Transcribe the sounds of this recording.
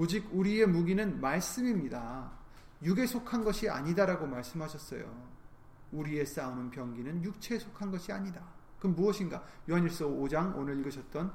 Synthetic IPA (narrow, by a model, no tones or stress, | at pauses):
od͡ʑiɡuɾie̞muɡinɯnmaɭs͈ɯmimɲida | juɡe̞sʰokʰanɡʌɕʰia̰ɲidaɾaɡomaɭs͈ɯmɦaɕʰʌs͈ʌ̰jo̰ | uɾie̞s͈aunɯnpjʌŋɡinɯnjuk̚t͡ɕʰe̞sʰokʰanɡʌɕʰiaɲida | kɯnmuʌɕʰinɡajuɦaɲiɭs͈ʌod͡ʑaŋo̰nɯɾiɭɡɯɕʰʌt̚t͈ʌn